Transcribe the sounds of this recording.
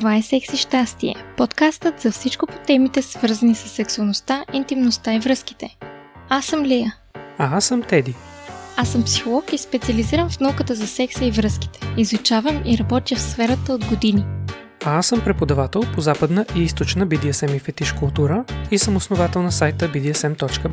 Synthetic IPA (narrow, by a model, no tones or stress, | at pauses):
tt̪ovaɛsɛksiʃt̪ast̪iɛ̰pot̪kast̪ət̪z̥ɐfsit͡ʃkʊpo̥t̪ɛmit̪ɛsvɤɾzənisɐsːɛksuɐlˠnost̪aʔint̪imnost̪aivɾɤski̥t̪ɛasːəmlɛjə | aasəmt̪ɛd̪iasəmpsi̥xolˠɔkispɛt̪sʲiɐliziɾəmfnaukət̪əzɐsɛksəivɾɤski̥t̪ɛ̥izut͡ʃavəmiɾɐbɔt̪jəfsfɛɾət̪əod̪ɡod̪ini | aasəmpɾɛpod̪ɐvat̪ɛlˠpozapəd̪nəʔiist̪ot͡ʃnəbid̪iəsɛmifɛt̪iʃkʊlˠt̪uɾəisəmosnovat̪ɛlˠnɐsajt̪əbid̪iɛsɛmt̪ɔt͡ʃkə